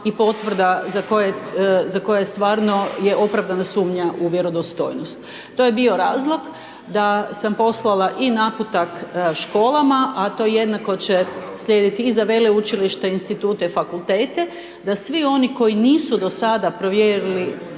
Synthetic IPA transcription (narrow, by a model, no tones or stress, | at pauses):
ipo̞t̪ʋr̩d̪azako̞jezako̞jajst̪ʋaːɾno̞jeʔo̞pɾaʋd̪anasuːmɲaʔuʋjeɾo̞d̪ost̪o̰jnost̪ | t̪ːo̞jebio̞ɾaːzlˠo̞ɡ | d̪asampo̞slˠalaʔinaput̪akʃko̞ːlamaʔat̪o̞ːjejed̪nako̞t͡ɕesʎʲeːd̪it̪iːzaʋe̞leut͡ʃiliʃt̪einst̪it̪uːt̪efakulˠt̪eːt̪e̞ | d̪asʋio̞niko̞jiniːsud̪o̞sad̪apɾo̞ʋjeɾili